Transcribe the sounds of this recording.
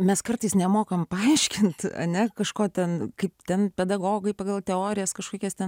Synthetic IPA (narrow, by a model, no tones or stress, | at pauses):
mʲɛskɐrt̪ɐɪsnʲɛmoːkɐmpɐɐɪʃʲkʲɪnt̪ɐ̰nʲɛkɐʃkoːt̪ʲɛnkɐɪpt̪ʲɛnpʲɛd̪ɐɡoːɡɐɪpɐɡɐlˠt̪ʲɛoːɾʲɪjɛskɐʃkoːkʲɛst̪ʲɛn